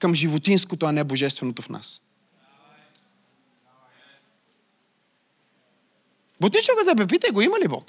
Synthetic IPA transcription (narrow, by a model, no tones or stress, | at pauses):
kəmʒivot̪inskot̪oɐnɛboʒɛst̪vɛnot̪ofna̰s | bot̪nit͡ʃokəd̪əp̬ɛp̬it̪əjɡoimɐlibɔ̰k